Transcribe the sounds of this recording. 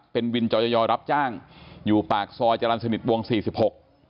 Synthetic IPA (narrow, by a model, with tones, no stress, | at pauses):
pe˧nwi˧nt͡ɕɔː˧jɔ˧jɔː˧ɾa˦˥p̚t͡ɕaː˥˩ŋjuː˨˩paː˨˩k̚sɔː˧jt͡ɕa˧la˧nsa˧ni˨˩t̪̚wu˧əŋsiː˨˩si˨˩p̚ho˨˩k̚